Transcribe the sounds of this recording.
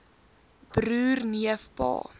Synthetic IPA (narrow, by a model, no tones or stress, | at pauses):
b̥rʉːrniəfpɑ̰ː